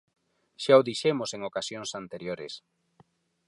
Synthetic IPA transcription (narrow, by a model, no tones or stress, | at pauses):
ʃaoðiʃɛmoseŋokasjoŋsant̪eɾjoɾḛs